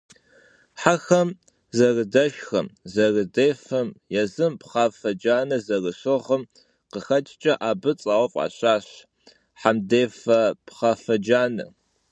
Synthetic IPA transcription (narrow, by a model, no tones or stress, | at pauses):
ħaxɐm | zɐrɨdɐʃxɐmzɐrɨdeːfɐmjɛzɨmpχɑːfɐd͡ʒaːnɐzɐrɨɕoʁɐm | qəxɐt͡ʃʼt͡ʃʼɐʔaːbɨt͡sʼaːwɔfʼa̰ːɕaːɕ | ħamdeːfɐpχaːfɐd͡ʒaːnɨ̰